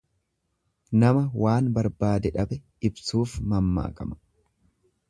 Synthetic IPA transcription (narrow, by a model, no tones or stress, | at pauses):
nɐmɐwaːnbɐɾbaːd̪ɛᶑɐbɛ | ɪbsuːfmɐmːa̰ːkʼɐmɐ̥